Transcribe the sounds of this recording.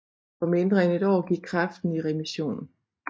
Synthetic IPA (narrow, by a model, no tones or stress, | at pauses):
fɒ̽me̝nd̥ʁɐene̝d̥ɒ̰ːɡ̥iɡ̥̚kʰʁɑ̈fd̥n̩iʁɛmiɕo̝̰ːnn̩